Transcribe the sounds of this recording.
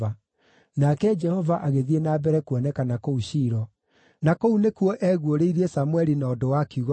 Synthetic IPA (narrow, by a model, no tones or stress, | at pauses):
a | nakɛd͡ʒɛhɔvaʔaɣeðienaːbɛɾɛkwɔnɛkanakouɕiːɾɔ | nakounekwɔʔɛɣwoɾeiɾiɛsamwɛɾinaːdowakiuɣɔ